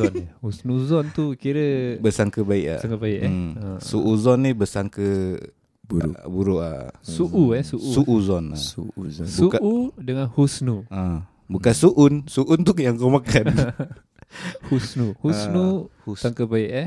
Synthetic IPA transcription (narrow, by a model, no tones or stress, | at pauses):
ɔnhusnuzɔnt̪ukiɾəbəsaŋkəbaiʔa̰aŋkəbaiʔsuʔuzɔnːibəsaŋkə | buɾbuɾuʔa̰suʔuɛsuʔusuʔuzɔna̰ubuukʔudəŋanhusnua | bukansuʔunsuʔunt̪ujaŋkawmakan | husnuhusnuusaŋkəbaiʔɛ